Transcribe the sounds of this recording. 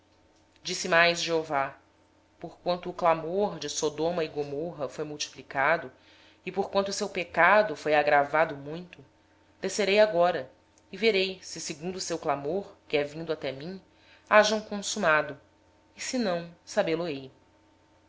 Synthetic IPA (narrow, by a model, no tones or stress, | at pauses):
d͡ʒisɪmajzʒeova | poɾkwɐ̃nt̪ʊːklamoɾd͡ʒɪsod̪õmɐɪɡomoɦɐfojmuwt͡ʃi̥plikad̪ʊ | ɪpoɾkwɐ̃nt̪ʊːsewpekad̪ʊfojaɡɾavad̪ʊmũj̃t̪ʊ | d̪̥eseɾejaɡɔɾɐ | ɪveɾejsɪsɪɡũnd̪ʊːsewklamoɾkɪɛvĩnd̪ʊat̪ɛmĩ | aʒɐ̃w̃kõsumad̪ʊ | ɪsɪnɐ̃w̃sabeloej